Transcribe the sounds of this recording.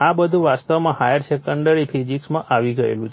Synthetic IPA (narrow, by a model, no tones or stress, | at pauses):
abəd̪ʱũʋast̪əʋmãhajəɾsekəɳɖəɾifʰid͡ʒiksmãʔaʋiɡəḛlũt͡ʃ